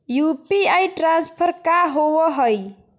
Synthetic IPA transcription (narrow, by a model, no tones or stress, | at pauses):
jupiajʈɾãnspʰəɾkaɦowəɦəj